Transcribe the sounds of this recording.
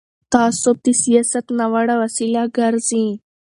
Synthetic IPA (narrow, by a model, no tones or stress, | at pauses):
t̪asop̚t̪isjəsət̪naʋaɽaʋəsiljaɡəɾd͡zĩ